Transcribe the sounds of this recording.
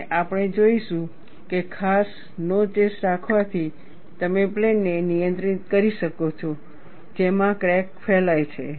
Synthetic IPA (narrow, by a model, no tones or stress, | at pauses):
ʔapɳ̃ed͡ʒoiʃũ | kekʰas | not͡ʃesɾakʰʋat̪ʰi | t̪əmeplenːenijə̃nt̪ɾit̪kəɾiʃəkot͡ʃʰɔ | d͡ʒemãkɾɛkfɛlajt͡ʃʰe